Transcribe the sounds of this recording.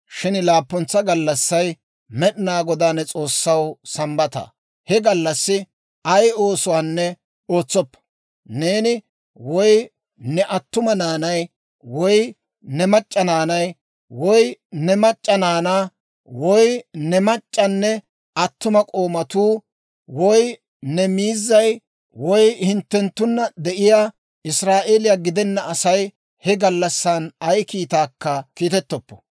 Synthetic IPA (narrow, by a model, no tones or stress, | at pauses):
ʃɪnlaːpːɔnt͡sːɐɡɐlːɐsːɐj | mɛɗɪnaːɡɔd̪aːnɛt͡sʼo̞ːsːɐwsɐmbɐt̪ɐ̰ | hɛɡɐlːɐsːɪ | ɐjo̞ːsʊwaːnːɛ | oːt͡sːɔpːɐ̥ | neːnɪ | wɔj | nɛʔɐt̪ːʊmɐnaːnɐj | wɔj | nɛmɐt͡ʃʼːɐnaːnɐj | wɔjnɛmɐt͡ʃʼːɐnaːnaː | wɔjnɛmɐt͡ʃʼːɐnːɛ | ɐt̪ːʊmɐkʼo̞ːmɐt̪uː | wɔj | nɛmiːzːɐj | wɔjhɪnt̪ːɛnt̪ːʊnːɐd̪ɛʔɪjaː | ɪsɾaːʔeːlɪjaːɡɪd̪ɛnːɐɐsɐj | hɛɡɐlːɐsːanɐjkiːt̪aːkːɐkiːt̪ɛt̪ːɔpːɔ̥